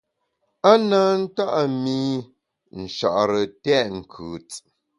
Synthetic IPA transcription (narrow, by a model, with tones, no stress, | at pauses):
a˦na˦n̩˦ta˦ʔa˨mi˦ | n̩˨ʃa̰˨ʔɾə˨tɛ˦˨ʔŋ̩˨kʰʉ˨t͡s